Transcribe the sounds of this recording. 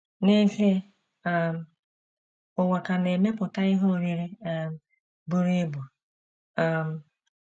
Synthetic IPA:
ne˦ɣe˦ | m̩˦ | ʊ˨ŋʷa˨ka˨ne˨me˦pʊ˨ta˦ɪ˦ɦo˦˨ɾi˦ɾi˦ | bu˦ɾi˦bu˨˦˨ | m̩˨

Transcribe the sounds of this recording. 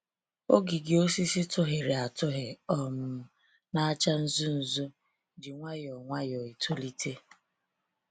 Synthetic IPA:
o˦ɡi˨ɡɪ˨o˦si˦si˦tʊ˦ɦɪ˨ɾɪ˨a˨tʊ˦ɦe˨ɔ˦mʊ˨ | na˦t͡ʃa˦n̩˦zu˦n̩˨zʊ˦ | d͡ʒɪ˨ŋʷa˦jɔ˨ŋʷa˦jɔ˨i˨tʰʊ˦li˦tʰe˦

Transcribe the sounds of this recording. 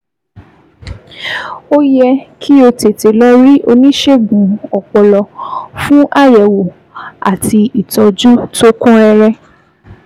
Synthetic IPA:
o˦jɛ˧kʰi˦o˧te˨te˨lɔ˦ɾi˦ʔo˧nĩ˦ʃe˦˨ɡũ˨˦ɔ˨k͡pɔ˧lɔ˧fũ˦ʔa˦˨jɛ˨wo˨ | a̰˨ti˧i˨tɔ˧d͡ʒu˦to˦kũ˦ɛ˧ɾɛ˧

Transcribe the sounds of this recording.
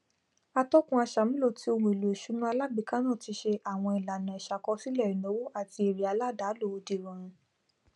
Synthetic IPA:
a˧tɔ˦kũ˧˦a˧ʃa˨mĩ˦lo˦˨ti˧˦o˧wũ˨e˨lu˨e˨ʃu˨˦nũ˦a˧la˦bi˨˧˨ka˦nãː˦˨ti˧ʃe˧ʔa˦˨w̃ɔ̃˧i˨la˨nã˨ɛ˨ʃa˨kɔ˧˦si˦lɛ˦˨ɾi˨no˨˦wo˦a˦˨ti˧e˨ɾi˨a˧la˦˨da˨˦lo˦˨o˧di˨ɾã˨ɾ̃ĩ˧

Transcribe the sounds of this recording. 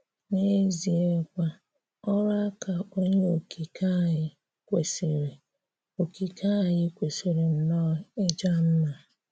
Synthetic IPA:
ne˦zi˨e˦kʷa˦ | ɔ˦ɾa˦ka˨o˦ɲe˦o˨kʰi˨kʰa˦˨ɪ˦ | kʷe˨se˨ɾe˨ | o˨ki˨ka˦˨jɪ˦kʷe˨se˨ɾe˨n̩˨nɔ˦˨e˦d͡ʒa˦n̩˦na˨

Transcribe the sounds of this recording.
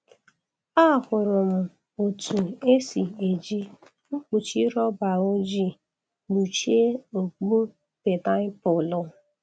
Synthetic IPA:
a˦˨hʊ˨ɾʊ˨m̩˨ | o˨tʰu˨e˦si˨e˨d͡ʒi˦ | ŋ͡m̩˦k͡pu˨t͡ʃi˦ɾɔ˦ba˨o˦d͡ʒi˦˨ | ɡ͡bu˨t͡ʃi˦e˦o˨k͡pu˦ | be˨ta˦pʊ˨lʊ˨˦

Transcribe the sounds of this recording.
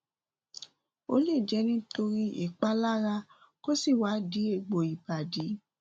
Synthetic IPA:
o̰˧˦le˦˨d͡ʒɛ˧˦nĩ˦to˧ɾi˦ʔḭ˦˨k͡pa˦la˦ɾa˧˦ | ko˦si˦˨wa˨˦di˨˦e˦˧˨ɡ͡bo˨i˨ba˨di˨˦

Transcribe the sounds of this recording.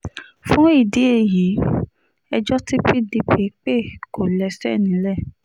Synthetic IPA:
fũ˦i˦˨de˨˦e˦˨ji˨˦ | ɛ˧d͡ʒɔ˦ti˦pi˦di˧pe˨˦k͡pe˦˨ko˨lɛ˧sɛ˦˨nĩ˨˦lɛ˦˨

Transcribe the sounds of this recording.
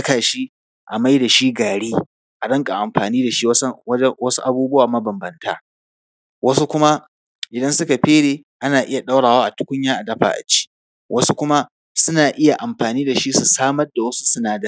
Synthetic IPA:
ɐ˦kaː˨ʃi˦ | ʔa˨ma˦jda˨ʃi˦ɡaː˨ɽiː˦ | ʔa˨ɗɐ˦ŋkʼa˨ʔa˨mɸaː˨niː˦da˨ʃi˦wɐ˦su˦ʔa˨buː˦bʊ˦waː˨mɐ˦bɐ˨mbɐ˦nta̰ː˦ | wʔɐ˦su˦kʷʊ˦ma˦ | ʔɪ˨dɐ˦nsʊ˦ka˨ɸeː˦ɽeː˨ | ʔa˦naː˨ʔɪ˦ja˨ɗa˦wɽaː˨waː˦ʔa˨tʊ˦kʷʊ˦ɲjaː˦ʔa˨dɐ˦ɸa̰ː˨ʔa̰˨t͡ʃi̥ː˦ | wʔɐ˦su˦kʷʊ˦ma˦ | sʊ˦naː˨ʔɪ˦ja˨ʔa˨mɸaː˨niː˦da˨ʃi˦su˨saː˦mɐ˦rda˨wɐ˦su̥˦sʊ˦naː˨da˦˨

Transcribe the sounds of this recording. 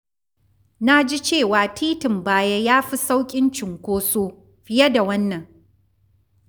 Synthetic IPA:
na˦d͡ʒi˦t͡ʃeː˦˨waː˨tʰiː˦tɪ˨mbaː˦jɐ˦jaː˦ɸi˦sa˦wkʲʼɪ˦nt͡ʃɪ˨ŋkʷoː˦soː˦ | ɸɪ˦jɐ˦da˨wɐ˦nːɐ˨ŋ

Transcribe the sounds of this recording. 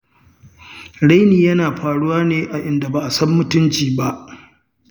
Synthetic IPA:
ɽa˦jniː˨jɐ˦naː˨ɸaː˨ɽu˦waː˦neː˦ʔa˨ʔɪ˦nda˨ba˨ʔa˨sɐ˦mːʊ˦tʊ˦nt͡ʃiː˨ba˦ʔ

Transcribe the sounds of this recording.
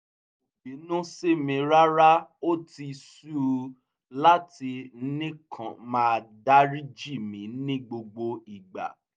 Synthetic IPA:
o˨bĩ˨˦nũ˦se˦mĩ˧ɾa˦ɾa˦o˦ti˧su˦ | la˦ti˧˦nĩ˦kʰã˨mãː˧da˦ɾi˦d͡ʒi˦˨mĩ˨˦nĩ˦ɡ͡bo˧ɡ͡bo˧i˨ɡ͡ba̰˨

